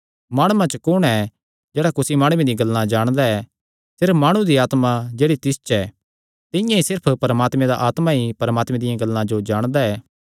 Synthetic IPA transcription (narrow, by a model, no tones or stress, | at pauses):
maːɽ̃ʊmãt͡ʃəkʊɽ̃ɛ | d͡ʒɛːɽakʊsimaːɽ̃mẽd̪ɪjãɡɐlːãd͡ʒaːɽ̃d̪aɛ | sɪɾpʰmaːɽ̃ũd̪iaːt̪mad͡ʒeːɽit̪ɪst͡ʃɛ | t̪ɪ̃jãisɪɾpʰpɐɾmaːt̪mɛ̃d̪aʔaːt̪mãipɐɾəmaːt̪mɛ̃d̪ɪjãɡɐlːãd͡ʒod͡ʒaːɽ̃d̪aɛː